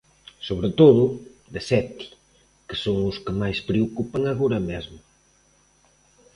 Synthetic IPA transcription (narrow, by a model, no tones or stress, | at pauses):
soβɾet̪oðʊd̪esɛt̪i̥ | kɪ̥soŋʊskɪmajspɾeokupaŋaɣoɾɐmezmʊ